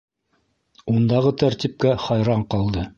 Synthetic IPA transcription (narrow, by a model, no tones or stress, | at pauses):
und̪ɑʁɤt̪æɾt̪ʲip̚kæχɑjɾɑɴqɑlˠd̪ɤ